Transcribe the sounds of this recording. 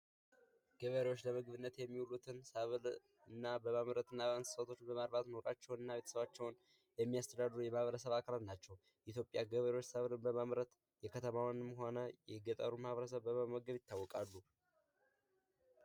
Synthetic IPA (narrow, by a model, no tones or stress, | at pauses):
ɡ̥əβəɾewot͡ʃːləmɨɡbɨnːət̪jɛmːiwulut̪ʰɨnsəβl | ɨnːabəmamɾət̪ɨnːabəansɨ̥sat̪ʰo̞t͡ʃːbəmaɾbat̪no̞ɾat͡ʃːɛwnɨnːaβe̞t̪ʰə̥səβat͡ʃːɛwn | jɛmːijast̪ʰəd̪ad̪ɾujɛmahβəɾəsəβakʰalat̪nat͡ʃːɛw | ʔit̪jo̞pʼjaɡəβəɾewot͡ʃːsəβlɨnbəmamɾət̪ | jɛkʰət̪ʰəmawnɨmɦo̞nəjɛɡət̪ʼəɾumahaβɾəs̬əβːəməməɡəβjɪt̪ʰːawːɔkʼalːu